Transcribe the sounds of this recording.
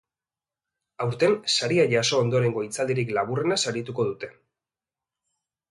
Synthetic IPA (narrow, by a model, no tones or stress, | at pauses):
awɾt̪e̞nsaɾiaʝaso̞ːnd̪o̞ɾe̞ŋɡo̞it͡sald̪eɾiklaβure̞nasaɾit̪uko̞ðut̪e̞